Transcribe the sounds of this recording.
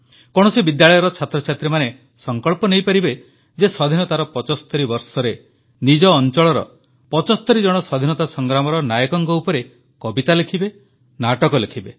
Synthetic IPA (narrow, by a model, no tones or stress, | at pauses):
kɔɽ̃ɔsibid̪jaɭɔjɔɾɔt͡ʃʰat̪ɾɔt͡ʃʰat̪ɾimane | sɔŋkɔɭpɔnejpaɾibe | d͡ʒesɔd̪ʱinɔt̪aɾɔpɔt͡ʃɔst̪ɔɾibɔɾsɔɾe | nid͡ʒɔːnt͡ʃɔɭɔɾɔ̰ | pɔt͡ʃɔst̪ɔɾid͡ʒɔɽ̃ɔsɔd̪ʱinɔt̪asɔŋɡɾamɔɾɔnajɔkɔŋkɔupɔɾe | kɔbit̪alekʰibe | naʈɔkɔlekʰibe